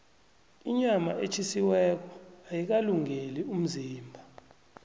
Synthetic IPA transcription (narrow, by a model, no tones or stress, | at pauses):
iɲamaʔet͡ʃʰisiwɛk̬ɔajik̬aluŋelium̩ziːmbʱa